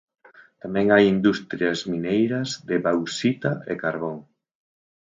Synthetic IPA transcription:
t̪amɛ̃ŋajind̪ust̪ɾjɐzminejɾɐzðɪβawsit̪aekaɾβoŋ

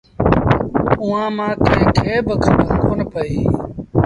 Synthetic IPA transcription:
ʊãːmãːkə̃ɦɪ̃ːkʰeːbəkʰəbəkoːnpəiː

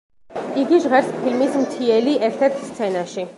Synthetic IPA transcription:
iɡiʒʁɛɾspʰilmismt̪ʰiɛliʔɛɾt̪ʰɛɾt̪ʰst̪sʰɛnaʃi

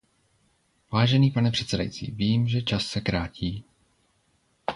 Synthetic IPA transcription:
vaːʒɛniːpanɛpr̥ɛt̪sɛda̰jḭt͡sḭːviːmʒɛt͡ʃasːɛkɾaːciː

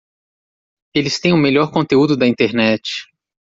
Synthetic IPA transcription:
elɪst̪ẽj̃ʊmeʎɔɾkõt̪eud̪ʊd̪ɐĩnt̪eɾnɛt͡ʃɪ̥

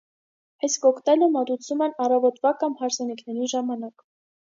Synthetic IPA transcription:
ɑjskɔkʰt̪ɛləmɑt̪ut͡sʰumɛnɑrɑvɔt̪vɑkɑmhɑɾsʰɑnikʰnɛɾiʒɑmɑnɑk

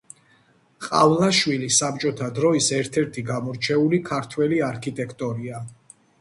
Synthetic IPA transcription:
qʼa̰vlaʃwilisam̚t͡ʃʼɔt̪ʰad̪ɾɔisɛɾt̪ʰɛɾt̪ʰiɡamɔɾt͡ʃʰɛulikʰaɾt̪ʰwɛliaɾkʰit̪ʼɛkʰt̪ʼɔɾia

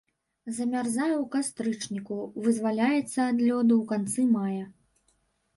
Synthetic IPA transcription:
zɐmʲarzajɛwkast̪ɾɨt͡ʂnʲikuvɨzvalʲajɛt̪sːɐːd̪lʲɔd̪ɨwkant̪sɨmajɐ

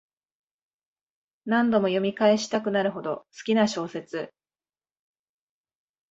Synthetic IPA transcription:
nãnd̪o̞mo̞jo̞mʲikae̞ɕi̥t̪akɯ̟naɾɯ̟ɦo̞d̪o̞sɨ̥kʲinaɕo̞ːse̞t͡sɨ

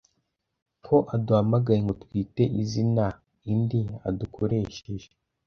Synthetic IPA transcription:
kʰo̞ʔaduhamaɡajeŋɡo̞twiːte̞ʔizina | india̰dukʰo̞ɾe̞ːʃe̞ʒe

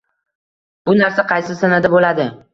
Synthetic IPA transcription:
b̥ʊnaɾsaqʰɑjsɪsanad̪abolad̪ɪ

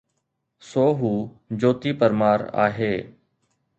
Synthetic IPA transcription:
soːɦuː | d͡ʒoːt̪iːpəɾmaːɾa̰ːɦeː

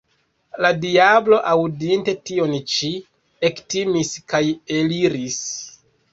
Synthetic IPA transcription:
ladiablo̞ʔawdinte̞tio̞nt͡ʃi | ektimiskajeliɾis

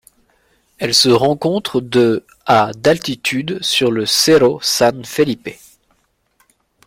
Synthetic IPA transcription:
ɛlsəʁɑ̃kɔ̃t̪χd̪ə | ad̪alt̪it̪ʰyd̪syʁləseʁosãnfelipe

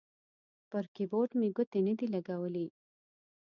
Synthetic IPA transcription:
pəɾkiboʈmeɡʊt̪enəd̪ilaɡawəli

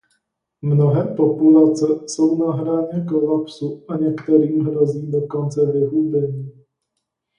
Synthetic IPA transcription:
mnoɦɛːpo̞pulat͡sɛso̞wnaɦɾaːɲɛkolapsuaɲɛkt̪ɛɾiːmɦɾo̞ziːdo̞ko̞nt͡sɛvɪɦubɛɲiː

